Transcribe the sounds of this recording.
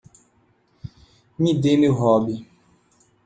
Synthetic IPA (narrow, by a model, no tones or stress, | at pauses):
mĩdemiɦɔbi